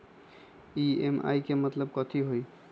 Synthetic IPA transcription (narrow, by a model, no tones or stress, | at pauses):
iema̰jkemət̪ləbkɔt̪ʰiɦoj